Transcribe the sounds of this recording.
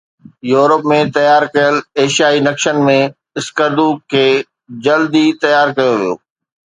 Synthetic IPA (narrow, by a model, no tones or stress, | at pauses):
juːɾəpmẽt̪ɐjaːɾkɐjəleːʃijaːinɐkʃənmẽ | ɪskəɾd̪ukʰeː | d͡ʑɐld̪it̪ɐjaːɾkɐjoʋijo̰ː